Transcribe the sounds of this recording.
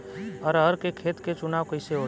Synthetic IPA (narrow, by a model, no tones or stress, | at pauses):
ɔɾəɾkekʰeːt̪ket͡ʃʊnaːʋkoɪseoːɽ